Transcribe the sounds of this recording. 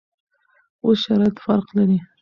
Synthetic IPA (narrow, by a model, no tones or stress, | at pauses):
osʃaɾɑjat̪faɾqlaɾi